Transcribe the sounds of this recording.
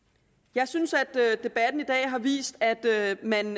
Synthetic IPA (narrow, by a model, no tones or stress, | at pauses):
jɑ̈ɪsynsæd̥ød̥e̝b̥æd̥n̩id̥ɛ̰ːɦɑ̈ʋḭːsd̥æd̥mæn